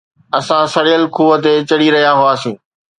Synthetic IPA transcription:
ɐsãsɐɽijəlkuːət̪et͡ɕɐɽiɾɐɦijaɦʊaːsĩː

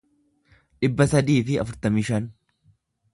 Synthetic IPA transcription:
ᶑɪbːɐsɐd̪iːfɪɐ̰fʊɾt̪ɐmiːʃɐn

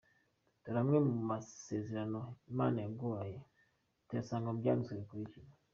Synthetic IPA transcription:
tɔɾamimaseziɾanɔmanɛɡoajɛ | tɛsaŋɡɔmɡansuɾikuit͡ʃiba

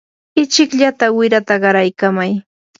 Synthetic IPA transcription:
ɪt͡ʃɪkʎat̪awɪɾat̪aɢɑɾajkamaj

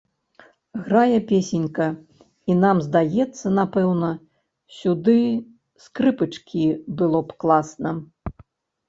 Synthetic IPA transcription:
ɣɾajɛpʲesʲenʲkɐ | in̪amzd̪ajɛt̪sːɐnapɛwnɐ | sʲud̪ɨ | skɾɨpɨt͡ʂkʲibɨlˠɔpklˠasnɐ

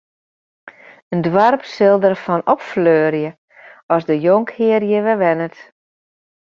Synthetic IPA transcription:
əndʋarpsɪlˠdərfɔnɔpfløːrjə | ɔsdəjoŋkhɪərjəʋɛʋɛnət

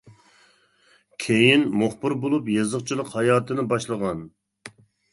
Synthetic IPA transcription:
kʲʰejinmoχbɨɾbolˠupjezəqt͡ʃʰilˠəqhɑjɑːt̪ʰɨnɨbɑʃlˠəʁɑn

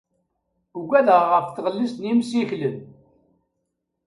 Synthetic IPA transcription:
uɡæðəʁʁəfθʁəlːist̪nimsiçləm

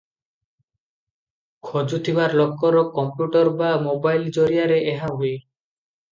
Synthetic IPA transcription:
kʰod͡ʒut̪ʰibaɾlɔkːɔɾɔkɔmpjuʈɔɾbamobajld͡ʒoɾiaɾeʔeɦaɦoe

